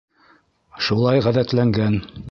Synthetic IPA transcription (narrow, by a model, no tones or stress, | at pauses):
ʃulˠɑjʁæðæt̪læŋɡæn